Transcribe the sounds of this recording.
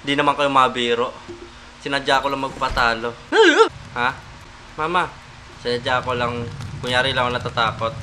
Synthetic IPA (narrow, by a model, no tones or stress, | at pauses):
ɪnd̪inɐmaŋkɐjomɐbiːɾoʔ | sɪnad͡ʒakolaŋmɐɡ̚pɐt̪aːlo̞ | ha | maːma | sɪnɐd͡ʒakolaŋkʊŋjaːɾilaŋonɐt̪at̪aːkot̪̚